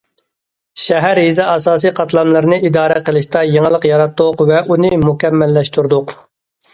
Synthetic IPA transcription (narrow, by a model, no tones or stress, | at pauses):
ʃɛɦæɾɦizɛɑsɑːsɨjqʰɑt̪lˠɑmlˠɨɾɨnɨʔid̪ɑːɾɛqəlˠɨʃt̪ɑjeŋəlˠəqjɑɾɑt̪ːʊqvɛʔunɨmukʲɛmːɛlːɛʃt̪uɾd̪ʊq